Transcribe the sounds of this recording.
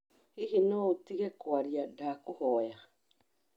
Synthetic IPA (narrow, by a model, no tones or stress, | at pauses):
hiɦinout̪iɡekoaɾiadakuhoːea